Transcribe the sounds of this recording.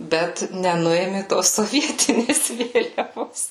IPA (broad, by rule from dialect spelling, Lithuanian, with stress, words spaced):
ˈbʲɛt nʲɛˈnʊeːmʲeː toːs soːˈʋʲiɛtʲɪnʲeːs ˈʋʲeːlʲɛʋoːs